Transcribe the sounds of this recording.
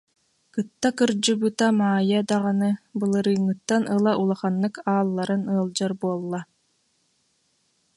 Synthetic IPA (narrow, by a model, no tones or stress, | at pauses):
kɯt̪ːakɯɾd͡ʑubut̪amaːjad̪aʁanɯbɯlˠɯɾɯːŋːɯt̪ːanɯlˠaʔulˠaχanːɯkaːlˠːaɾɯnɯːlˠd͡ʑaɾbuɔlˠːa